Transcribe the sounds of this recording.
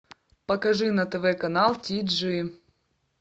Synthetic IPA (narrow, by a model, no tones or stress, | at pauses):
pɐkɐʐɨnɐt̪ɛvɛkɐnalˠtʲid̪ʐɨ